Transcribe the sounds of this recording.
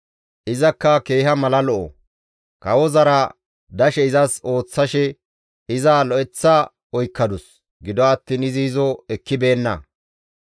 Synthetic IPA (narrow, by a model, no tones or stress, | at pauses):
ʔɪzɐkːɐke̞ːhɐmɐlɐlɔʔɔ̰ | kɐwɔzɐɾɐ | d̪ɐʃɛɪzɐso̞ːt͡sːɐʃɛ | ɪzaːlɔʔɛt͡sːa | ɔjkːɐd̪ʊs | ɡɪd̪ɔɐt̪ːiːnɪzɪːzɔɛkːɪbe̞ːnːɐ̰